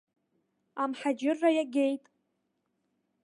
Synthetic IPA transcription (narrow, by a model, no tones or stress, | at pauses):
amħad͡ʒɪrːajaɡʲe̞jtʼ